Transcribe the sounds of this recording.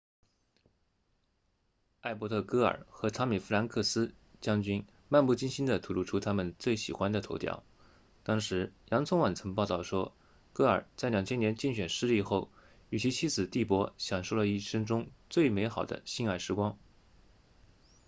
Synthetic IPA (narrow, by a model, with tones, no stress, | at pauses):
a˥˩ɪp̬wɔ˧˥t̪ʰɤ˥˩kɤ˥ə̰˞˨˩xɤ˧˥t͡sʰɑ˥mi˨˩fu˥la˧˥nkʰɤ˥˩sɹ̩˥ | t͡ɕjɑ˥ŋt͡ɕy˥n | ma˥˧npu˥˩t͡ɕi˥nɕi˥nd̪ə˨t̪ʰu˨˥lu˥˩ʈ͡ʂʰu˧˥t̪ʰa˥mə˨nt͡swe˥˩ɪɕḭ˨˩xwa˥nd̪ə˨o˧˥ʊt̪jɑ̰˥˩ʊ | t̪ɑ˥ŋʂɻ̩˧˥jɑ˧˥ŋt͡sʰʊ˥ŋwa˨˩nt͡sʰɤ˧˥ŋpɑ˥˧ʊt̪ɑ˥˩ʊʂwɔ˥ | kɤ˥ə˞˨˩t͡sa˥˩ɪljɑ˨˩ŋt͡ɕʰjɛ˥njɛ˧˥nt͡ɕi˥˩ŋɕɥɛ˨˩nʂɻ̩˥li˥˧xo˥˩ʊ | y˨˩t͡ɕʰi˧˥t͡ɕʰi˥t͡sɹ̩˨˩t̪i˥˩pwɔ˧˥ɕjɑ˨˩ŋʂo˥˩lə˩i˥˩ʂɤ˥ŋʈ͡ʂʊ˥ŋt͡swe˥˩ɪme˧˥ɪxɑ˨˩ʊd̪ə̰˦ɕi˥˧na˥˩ɪʂɻ̩˥kwɑ˥ŋ